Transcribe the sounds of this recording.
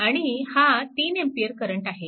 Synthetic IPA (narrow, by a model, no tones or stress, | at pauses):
aɽ̃ihat̪iːnempijəɾkəɾəɳʈaɦe